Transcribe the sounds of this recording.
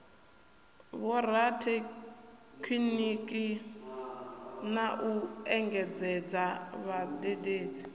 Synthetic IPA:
βɔɾatʰɛ | kʰwinikʼi | naʔuɛŋɡɛd͡zɛd͡zaβadʼedeːd͡zi

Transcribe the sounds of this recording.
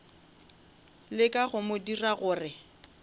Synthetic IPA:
lɪkʼaɣʊmodiraɣʊːrɪ

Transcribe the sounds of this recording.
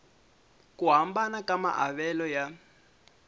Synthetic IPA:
kʼuɦambanakama̰ʔa̰βɛlɔja

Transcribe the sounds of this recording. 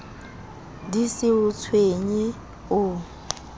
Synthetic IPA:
disɪʊt͡sʰweɲi | ʊ

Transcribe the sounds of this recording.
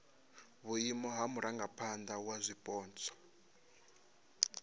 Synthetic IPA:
βuimɔɦamuɾʔaŋɡapʰand̪awazʷipʼɔːnt͡sʰɔ̥

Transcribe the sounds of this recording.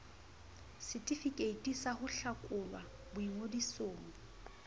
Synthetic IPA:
sɪtʼifikʼeitʼisahʊɬakʼʊlwa | bʊiŋodisoːŋʊ

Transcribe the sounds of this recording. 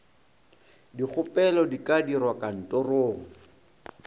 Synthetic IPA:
dik͡xʰʊpʼɛlɔdikadirwakʼan̩tʼɔroːŋ̩

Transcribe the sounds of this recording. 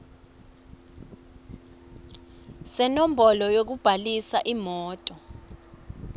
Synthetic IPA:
sɛnom̩bʱɔlɔjok̬ub̥ʱalisaʔimɔːtʼɔ

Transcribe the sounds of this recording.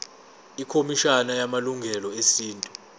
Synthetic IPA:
ikʰomiʃanajamaluŋɡʱɛlɔesiːntʼu

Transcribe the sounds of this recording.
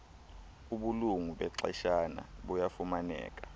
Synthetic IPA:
uɓuluŋuɓɛǀɛ̰ʃana̰ɓujafumanɛ̰ːk̬ʼḁ

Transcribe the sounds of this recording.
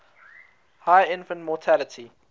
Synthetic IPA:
haɪɪ̃nfə̃ntmɔtʰalətʰi

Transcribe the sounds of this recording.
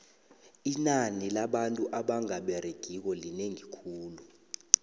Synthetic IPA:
inanilaɓantʼuʔaɓaŋaɓɛreɡ̥ʱik̬ɔlineŋikʰuːlu

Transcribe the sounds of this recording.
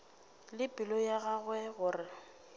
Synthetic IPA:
lɪpʼɪlɔjaɣaɣwɛɣʊːrɪ

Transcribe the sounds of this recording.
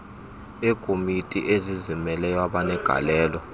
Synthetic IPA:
ekʼomitʼḭʔezizimɛlɛjwaɓanɛɡ̥ʱa̰lɛːlɔ

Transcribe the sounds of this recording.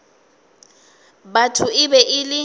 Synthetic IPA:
batʰʊɪbɛʔɪlɪ

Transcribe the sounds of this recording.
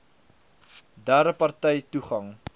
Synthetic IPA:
dæɾəpɐrtɛjtuχɐŋ

